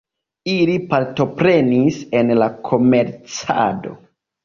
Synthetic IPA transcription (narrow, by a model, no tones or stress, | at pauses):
ilipaɾto̞pɾe̞nise̞nlakʰo̞me̞ɾt͡sa̰do̞̰